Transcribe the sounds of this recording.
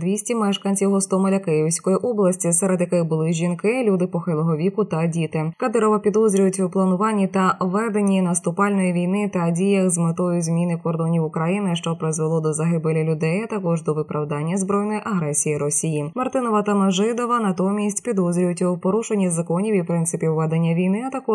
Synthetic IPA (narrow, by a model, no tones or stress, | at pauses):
d̪ʋʲisʲtʲimɛʃkɐnʲt͡sʲiwɦɔst̪ɔmɔlʲɐkɪjɪwsʲkɔjiʔɔblˠɐsʲtʲisɛɾed̪jɐkɪɣbʊlˠɪʒʲinkɪlʲud̪ɪpɔxɪlˠɔɦɔʋʲikʊt̪ɐdʲit̪ɪkɐd̪ɪɾɔʋɐpʲid̪ɔzʲɾʲʊjʊtʲwplˠɐnʊʋɑnʲːit̪ɐʋɛd̪enʲinɐst̪ʊpɑlʲnɔjiʋʲijnɪt̪ɐdʲijɐxzmɪt̪ɔjʊzʲmʲinɪkɔrd̪ɔnʲiwʊkɾɐjinɪʃt͡ʃɔpɾɪzʋɪlˠɔd̪ɔzɐɦɪbɪlʲɐlʲʊd̪ɛjɐt̪ɐkɔʐd̪ɔʋɪpɾɐwd̪ɑnʲːɐzbɾɔjnɔjʔɐɦɾɛsʲijiɾɔsʲijimɐrt̪ɪnɔʋɐt̪ɐmɐʒɪd̪ɔʋɐnɐt̪ɔmʲisʲtʲpʲid̪ɔzʲɾʲijʊtʲwpɔɾuʃenʲːizɐkɔnʲiʋʲiwpɾɪnsɪpʲiwʋːɛd̪enʲːɐʋʲijnɪɐt̪ɐkɔ